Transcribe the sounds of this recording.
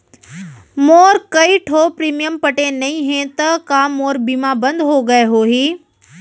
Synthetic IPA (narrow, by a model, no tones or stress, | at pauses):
moːɾkɐiʈʰoːpɾiːmijəmpɐʈenɐĩɦẽt̪ɐkamoːɾbiːmabɐ̃nd̪ɦoɡɐeɦoːɦiː